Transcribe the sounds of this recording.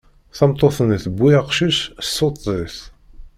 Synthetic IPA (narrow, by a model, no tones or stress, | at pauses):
θɑmt̪ˤːoθənθəbːiaqʃissːot̪ˤːiθ